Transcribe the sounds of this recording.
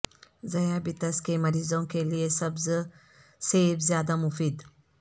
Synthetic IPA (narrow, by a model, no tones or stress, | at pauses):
zɐjabit̪ɐskemɐɾizow̃keliesɐbzə | sebziad̪amufid̪